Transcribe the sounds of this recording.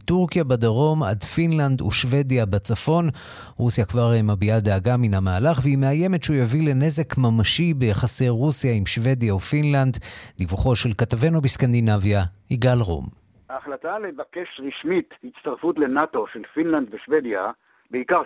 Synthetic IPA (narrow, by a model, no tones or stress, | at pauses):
tuʁkijabadaʁo̞ma̰dfinlanduʃve̞djabet͡safo̞n | ʁusjakvaʁemabiad̪eaɡaminamaːlaχvehimeaje̞me̞tʃujavile̞neze̞kmamaʃibejaχasejʁusjaimʃve̞djaufinland̪divuχo̞ʃe̞lkatave̞nobiskand̪inavjahiɡalʁo̰m | haːχlatalevake̞ʃʁiʃmithit̪t͡st̪aʁfutlenato̞ʃelfinland̪veʃved̪ja | beikaʁ